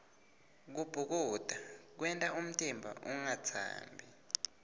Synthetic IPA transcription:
k̬ub̥ʱuk̬uːd̥ʱak̬wɛntʼaum̩tʼimbʱa̰ʔuŋat͡sʰa̰ːmbʱi

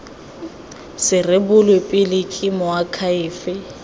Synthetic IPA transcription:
sɪrebʊlwepʼɪlɪkʼɪmʊakʰaɪːfɪ

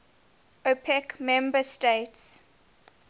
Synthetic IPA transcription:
opʰɛkmɛ̃mbəsteɪts

